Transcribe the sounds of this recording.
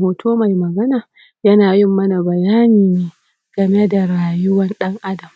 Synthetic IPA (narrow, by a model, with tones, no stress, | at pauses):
hoː˨tʰoː˦ma˨jmɐ˨ɡɐ˦naː˨ | jɐ˦naː˨jɪ˦mːɐ˦na˨bɐ˨jaː˦niː˨neː˦ | ɡ̥ɐ˨me˦da˨ɾaː˨jʊ˦wɐ˦nɗɐ˦ŋʔa˦dɐ˨m